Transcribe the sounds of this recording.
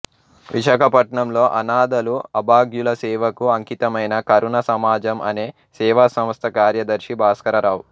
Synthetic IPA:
ʋiʃaːkʰɐpɐʈɳɐmlo̞ːʔɐnaːd̪ɐluɐbaːɡjulɐsɛːʋɐkuɐŋkit̪ɐmɐjnɐkɐɾuɳɐsɐmaːd͡ʒɐmʔɐ̰ne̞ː | sɛːʋasɐ̃m̃ɐst̪ʰɐkaːɾjɐd̪ɐɾʃibʱaːskɐɾɐɾaːwu

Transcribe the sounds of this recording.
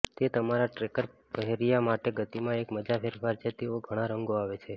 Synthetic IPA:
t̪et̪əmaɾaʈɾekəɾpəɦeɾijamaʈeɡət̪imãekməd͡ʒafʰeɾfaɾt͡ʃʰet̪eoɡʱəɽ̃ãɾəŋɡoaʋet͡ʃʰe

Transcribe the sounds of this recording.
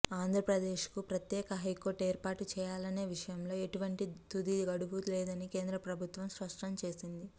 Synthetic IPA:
aːnd̪ʱɾɐpɾɐd̪e̞ːʃkupɾɐt̪jɛːkɐɦɐjko̞ːɾʈeːɾpaːʈut͡ʃɛːjaːlɐne̞ːʋiʂɐjɐmlo̞ːeʈuʋɐɳʈit̪ud̪iɡɐɽubuleːd̪ɐnike̞ːnd̪ɾɐpɾɐbʱut̪ʋɐmspɐʂʈɐmt͡ʃe̞ːsind̪i

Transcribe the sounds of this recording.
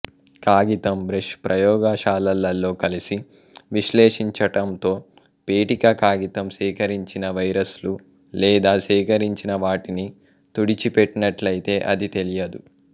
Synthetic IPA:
kaːɡit̪ɐmbɾeʃpɾɐjɔːɡaʃaːlɐlːɐlːo̞ːkɐlisi | ʋiʃleːʂiɲt͡ʃɐʈɐmt̪o̞ː | peːʈikɐkaːɡit̪ɐmsiːkɐɾiɲt͡ʃinɐʋɐjɾɐslu | lɛːd̪aːsiːkɐɾiɲt͡ʃinɐʋaːʈini | t̪uɽit͡ʃipeʈːinɐʈlɐjit̪e̞ːʔɐd̪it̪e̞lijɐd̪u

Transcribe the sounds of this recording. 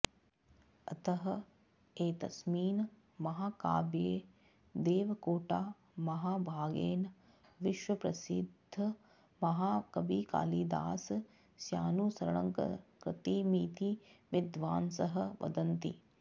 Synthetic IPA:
ɐt̪ɐɦɐ | eːt̪ɐsmiːn | mɐɦaːka̰ːbjeː | d̪eːʋɐkoːʈaː | mɐɦaːbʱaːɡeːn | ʋiʃwɐpɾɐsḭd̪ʱːɐ | mɐɦaːkɐbiːka̰ːliːd̪a̰ːs | sjaːnuːsɐɾɳɐŋkɐ̰kɾɪt̪iːmiːt̪iʋɪd̪ʋaːnsɐɦɐ̆ʋɐ̰d̪ɐnt̪ḭ

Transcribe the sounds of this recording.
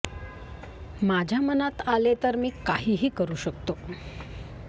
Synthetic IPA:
mad͡ʑʱjamənat̪alet̪əɾmiːkaɦiːɦiːkəɾuːɕəkt̪o

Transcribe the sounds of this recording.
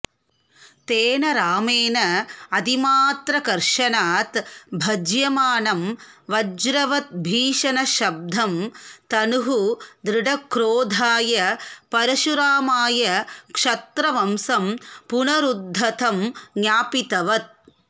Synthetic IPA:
t̪eːnɐɾaːmeːnɐɐd̪imaːt̪ɾɐkɐɾʂɐnaːt̪bʱɐd͡ʒjɐmaːnɐmʋɐd͡ʒɾɐʋɐt̪̚bʱiːʂɐnɐʃɐb̚d̪ʱɐmt̪ɐnuɦud̪ɾɪɖɐkɾoːd̪ʱaːjɐpɐɾɐʃuɾaːmaːjɐkʂɐt̪ɾɐʋɐmsɐmpunɐɾud̪ʱːɐt̪ʰɐmɡjaːpit̪ɐʋɐt̪̚

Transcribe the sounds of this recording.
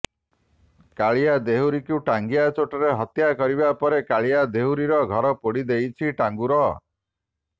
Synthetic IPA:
kaɭijad̪eɦuɾikuʈaŋɡijat͡ʃoʈɔɾeɦɔt̪jakɔɾibapɔɾekaɭijad̪eɦuɾiɾɔɡʱɔɾɔpoɽid̪ejt͡ʃʰiʈaŋɡuɾɔ

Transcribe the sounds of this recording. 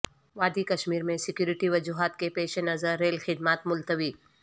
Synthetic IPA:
ʋaːd̪ikɐʃmiːɾmẽsɪkjuːɾɪʈiʋɐd͡ʒuːɦaːt̪kepeːʃenɐzəɾːeːlxɪd̪maːt̪mʊlt̪əʋiː

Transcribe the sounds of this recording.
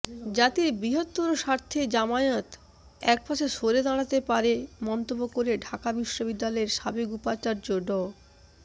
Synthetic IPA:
d͡ʑat̪iɾbɾiɦot̪̚puɾoʃaɾt̪ʰed͡ʑamaeot̪ | ɛk̚paʃeʃoɾed̪aɽ̃at̪epaɾemɔnt̪obːokoɾeɖʱakabiʃːobid̪ːalɔeɾʃabekupat͡ɕaɾd͡ʑoɖɔ

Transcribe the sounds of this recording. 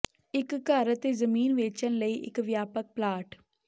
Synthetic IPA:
ɪkːəɾt̪ezəmiːnʋeːt͡ʃənləiːʔɪ̰kʋjaːpək̚plaːʈ

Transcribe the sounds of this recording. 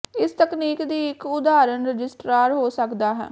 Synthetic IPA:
ɪst̪əkniːkd̪iːɪkʊd̪aːɾənɾəd͡ʒɪsʈɾaːɾɦoːsəkd̪aːɦɛ̰ː

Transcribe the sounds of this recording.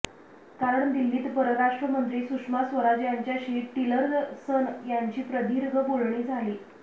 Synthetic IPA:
kaɾəɳd̪ilːiːt̪pəɾəɾaʂʈɾəmənt̪ɾiːsukʂmasʋəɾad͡ʑjaɲt͡ɕjaɕiʈiləɾsənjaɲt͡ɕiːpɾəd̪iɾɡʱəbolɳiːd͡zʱaliː

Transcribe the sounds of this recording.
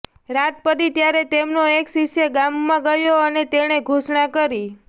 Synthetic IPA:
ɾat̪̚pədit̪jaɾet̪emnoekʃiʃjəɡamːãɡəjoənet̪eɽ̃eɡʱuʃɳãkəɾi

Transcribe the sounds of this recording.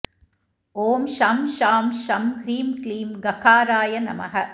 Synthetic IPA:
oːmʃamʃaːmʃɐmhɾiːmkliːmɡɐkaːɾaːjɐnɐ̰mɐ̰ɦɐ

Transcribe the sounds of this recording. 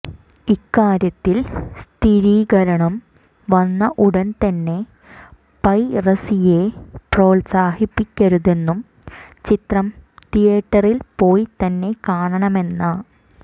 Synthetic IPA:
ikːaːɾjɐt̪ːilst̪ʰiɾiːɡɐɾɐɳɐm | ʋɐnːɐʔuɽɐnt̪ɐnːe̞ | pɐjrɐsije̞pro̞ːlsaːhipːikʲːɐɾuðe̞nːum | t͡ɕit̪rɐmt̪ijeːʈːɐrilpo̞ːjt̪ɐnːe̞kaːɳɐɳɐme̞nːɐ

